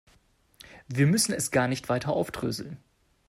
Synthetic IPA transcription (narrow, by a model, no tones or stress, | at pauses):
viːɐmʏsn̩ɛsɡ̥aːɐnɪçtv̥aɪtʰɐʔaʊfd̥ʁ̥ø̰ːzl̩n